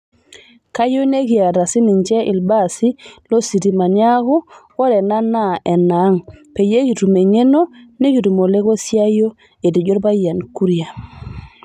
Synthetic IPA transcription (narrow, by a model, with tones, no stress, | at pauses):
ka˦jo˦ne˦ɡi˨a˨ɾa˨si˦ni˨ɲt͡ʃɛ˦ʔi˨lba˦˨si˦lo˦si˨di˨ma˨nja˦ko˦ko˦ɾɛ˨na˦na˦˨ʔɛ˨na˨˦ŋpe˨je˦ki˨tu˨me˨ɲe˦no˦ne˦ɡi˨tu˨mo˨le˦ɡo˦si˦a˦jo˦ | e˨di˨d͡ʒo˦ɾba˦ja˨nku˦ɾi˦ja˨